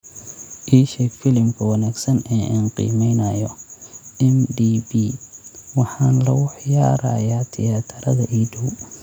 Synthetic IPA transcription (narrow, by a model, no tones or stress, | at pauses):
ʔiːʃɛkfɪlɪmkʰɐwɑnaːɡsɐnɛːʔaːnqḭːmɛjnɐjɔ | ɛmdiːbiːwɑħɑːnlɐwʊħjaːɾɐ̰jaːt̪ʰɪjaːt̪ʰɐɾɐðɐʔiːɖɐw